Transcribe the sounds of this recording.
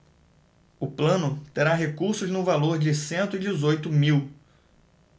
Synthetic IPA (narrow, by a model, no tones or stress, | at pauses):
ʊplɐ̃nʊt̪eɾaɦekuɾsʊznʊ̃valoɾd͡ʒɪsẽnt̪ʊid͡ʒɪzojt̪ʊmiw